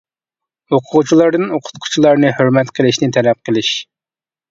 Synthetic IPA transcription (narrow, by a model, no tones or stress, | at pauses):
oqʰʊʁʊt͡ʃʰilˠɑɾd̪ɨnoqʰʊ̥t̪̚qʰʊ̥t͡ʃʰilˠɑɾnɨhøɾmɛt̪qʰəlˠɪʃnɪt̪ʰɛlɛp̚qʰəlˠɪʃ